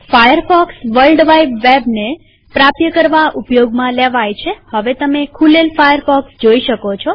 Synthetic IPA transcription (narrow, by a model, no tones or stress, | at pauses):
fajəɾfɔksʋəlɖʋajbːebne | pɾapjəkəɾʋaʔupjoɡmãleʋajt͡ʃʰehəʋet̪əmekʰulelfajəɾfɔksd͡ʒoiʃəkot͡ʃʰɔ